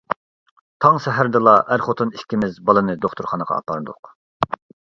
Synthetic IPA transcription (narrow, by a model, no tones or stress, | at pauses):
t̪ʰɑŋsɛɦæɾd̪ɨlˠɑʔæɾχot̪ʰuniʃkʲimɪzbɑlˠɨnɨd̪oχt̪ʰuɾχɑnəʁɑ̰ːpɑnd̪ʊ̰q